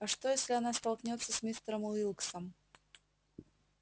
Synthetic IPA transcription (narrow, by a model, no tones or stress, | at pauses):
ɐʂt̪ojesʲlʲɪɐnast̪ɐlˠknʲo̞t̪sːəsʲmʲist̪əɾəmʊilˠksəm